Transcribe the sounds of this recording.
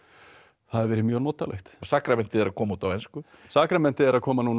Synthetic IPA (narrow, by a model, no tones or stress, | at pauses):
θaðɪɾvɛːɾɪmjœːɣnɔːt̪a̰lɛ̰xt̪saːkɾamɛn̥t̪ɪɛɾaðkʰɔːmauːt̪awɛjnskʏ | saːkɾamɛn̥t̪ɪɛɾaðkʰɔːmanun